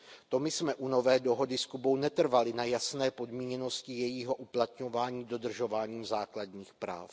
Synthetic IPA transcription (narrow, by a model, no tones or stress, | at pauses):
t̪o̞mɪsmɛʔuno̞vɛːdo̞ɦo̞dɪskubo̞wnɛt̪r̩valɪnajasnɛːpo̞dmiːɲɛno̞scɪjɛjiːɦo̞ʔuplat̪ɲo̞vaːɲiːdo̞d̪r̩ʒo̞vaːɲiːmzaːkladɲiːxpɾa̰ːf